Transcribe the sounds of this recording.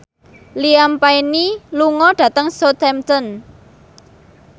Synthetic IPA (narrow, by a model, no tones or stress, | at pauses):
liampainiluŋɔɖ̥ä̤t̪əŋsot̪ɛmt̪ən